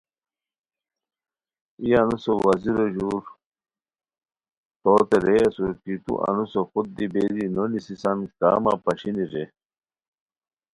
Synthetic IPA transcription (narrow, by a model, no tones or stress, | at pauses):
ijɐnusowɐziɾoʑuːɾ | t̪oːt̪eɾeɐsuɾkit̪ṵʔɐ̰nusoxud̪̚d̪ibeːd̪inonisisɐnkaːma̰pɐɕiniɾe